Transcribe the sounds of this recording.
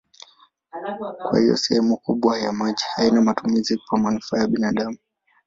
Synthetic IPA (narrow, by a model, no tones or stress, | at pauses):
kwa̰hijɔ̰sɛhɛmukuɓwajamaʄihainamatumizikwamanufaːjaɓinaɗamu